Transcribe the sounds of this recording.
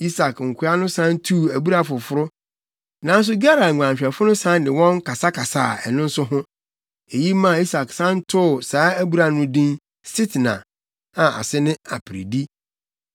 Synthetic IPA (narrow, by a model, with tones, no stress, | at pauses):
i˦sa˨kŋ̩˨kʰʷʊ˦a˦nʊ̃˦sã˦n˦tʰu˦˨æ˨bu˦ɾa˨fʊ˨fʊ˦ɾʊ˦ | nã˨˦n̩˦s̬ʊ˦ɡa˦ɾa˨ã˨ɕᶣɛ˨fʊ˦nʊ̃˦sã˦n˦dɪ˨wɔ̃˦ŋkʰa˨sa˦kʰa˨sa̰ː˦˨ɛ̰˨nʊ̃˦n̩˦sʊ˦ɦʊ̃˦ | e˨ji˦mã˦˨i˦sa˨ksã˦n˦tʰʊ˦˨saː˨˦æ˦bu˦ɾa˨nʊ̃˦dĩ˦n | si˦tnã̰˨ | ã˨ʔa̰˨sɪ˦nɪ̃˦a̰˨pʰɾḭ˨di˦